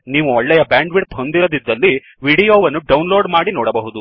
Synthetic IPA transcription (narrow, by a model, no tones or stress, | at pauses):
niːʋuɔɭːɛjɐbaːɳɖʋiɽpɦond̪iɾod̪id̪ːɐlːi | ʋiːɽijoːʋɐnːuɖɐwnloːɖmaːɽinɔːɽɐbɐɦud̪u